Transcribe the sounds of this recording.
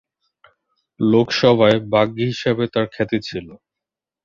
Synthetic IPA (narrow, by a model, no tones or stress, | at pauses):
lokʃɔbʱaebaɡiɦiʃebet̪aɾkʰɛt̪et͡ɕʰilo